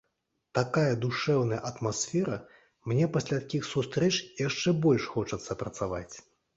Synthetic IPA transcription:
t̪akajɐd̪uʂɛwnɐjɐʔɐt̪masfʲɛɾɐ | mnʲɛpasʲlʲat̪akʲixsust̪ɾɛt͡ʂjaʂt͡ʂɛbɔlʲʂxɔt͡ʂɐt̪sːɐpɾɐt̪sava̰t͡sʲ

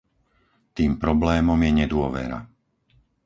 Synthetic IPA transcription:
t̪iːmpɾɔblɛːmɔmjɛɲɛd̪ʊɔʋɛ̰ɾa̰

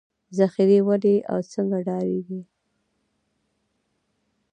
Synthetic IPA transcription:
zaxiɾewad̪eʔa̰wt͡səŋɡaɖɑɾiɡi

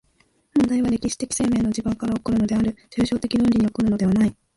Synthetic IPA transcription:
mãnd̪aiβaɾe̞kʲiɕi̥t̪e̞kʲi̥se̞ːme̞ːno̞d͡ʑibɯ̃ŋkaɾaokɯ̟ɾɯ̟no̞d̪e̞aɾɯ̟t͡ɕɨːɕo̞ːt̪e̞kʲinɯ̃nʲiɲ̟io̞kɯɾɯ̟no̞d̪e̞βanai

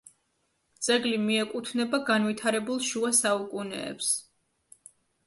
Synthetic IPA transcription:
d̪z̥ʼɛɡlimiɛkʼut̪ʰnɛbaɡanvit̪ʰaɾɛbulˠʃuasaukʼunɛ̰ːps

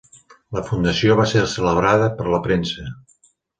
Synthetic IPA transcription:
ləfund̪əsioβ̞aseɾsələβ̞ɾaðəpəɾləpɾensə

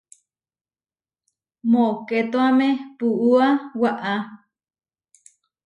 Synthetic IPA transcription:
moket̪oamẽpuʔuawaʔa

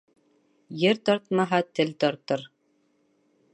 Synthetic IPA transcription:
jɘɾt̪ɒɾt̪mɑɦɑt̪ɘlt̪ɒɾt̪ɤɾ

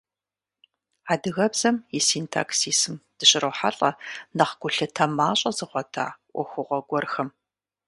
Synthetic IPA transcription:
aːdɨɣɐbz̥ɐmjɪsiːntʰa̰ːksiːsɨmd̥ɨɕʼɪrɐwħa̰ɬʼɐnɐχɡʷʊɬɨtʰɐmaːɕʼɐzɨχʷɔtʰa̰ːʔʷɔ̰xʷʊʁʷɔɡʷɔrxɐm

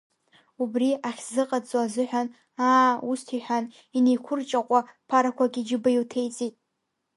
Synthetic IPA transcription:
ubriaχʲzɨqʼat͡sʼwazɨħʷᶣan | aːustʰiħʷan | ine̞jkʷʰʊrt͡ʃʼaqʷʼapʰaɾakʷʰaɡʲid͡ʒɪbajtʰe̞jt͡sʼitʼ

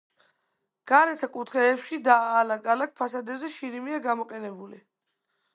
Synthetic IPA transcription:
ɡ̥aɾɛt̪ʰakʼut̪ʰχɛːpʃid̪aːlaɡʼalak̚ʰpʰasad̪ɛbzɛʃinimiaɡamɔqʼɛnɛbuli

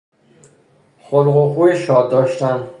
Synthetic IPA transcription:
xolɢoxuːjeʃɒːd̪ːɒːʃt̪æn

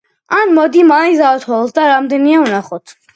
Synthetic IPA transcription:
anmɔd̪imaizat̪ʰɔt̪d̪aɾamd̪ɛniaunaχɔt̪ʰ

